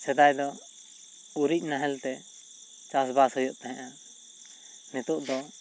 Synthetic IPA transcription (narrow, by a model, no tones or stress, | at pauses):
sɛd̪ajd̪ɔ | uɾic̚ˀnaɦɛlt̪ɛ | t͡ʃasbashɔjɔʔt̪aɦɛ̃ʔa | nɛt̪uʔd̪ɔ